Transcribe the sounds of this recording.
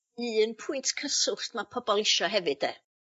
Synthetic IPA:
ɨːənpʰʊɨntʰkʰəsʊɬtmapʰɔbɔlˠɪʃɔɦɛvɨd̥e

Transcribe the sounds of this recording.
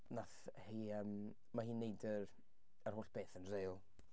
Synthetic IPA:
naθhiːəːm | maɦiːnːejdər | ərɦoːɬb̥eːθənreːlˠ

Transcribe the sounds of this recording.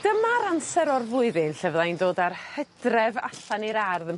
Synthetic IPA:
d̥əmaɾansɛɾɔrvʊɨðɪnɬɛvlˠajndoːdarhədrɛvaɬaniɾarðəm

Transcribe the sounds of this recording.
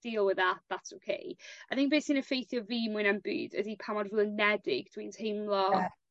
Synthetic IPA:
d̥iːlˠwɪðatðatsokʰḛjajθɪ̃ŋk̚b̥eːsinəfejθjɔviːmʊɨnanbʉ̰ːdə̰dipʰamɔdvuːənɛdɪɡ̚d̥wintʰhɪmlˠɔ

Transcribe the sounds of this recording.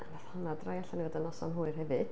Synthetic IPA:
anaθhanadrajaɬanivadənɔsɔ̰nɦuːɨrhɛvɨd̥

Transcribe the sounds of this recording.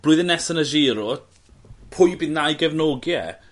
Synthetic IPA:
b̥lʊɨðənːɛsənəʒiːɾɔ | pʰʊjbiðnajɡɛvnoɡjɛ̰

